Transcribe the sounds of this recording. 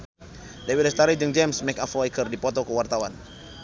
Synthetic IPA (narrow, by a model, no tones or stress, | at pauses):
dewiləst̪aɾid͡ʒəŋd͡ʒɛmsmɛkaflajkərdipɔt̪ɔkəwart̪awan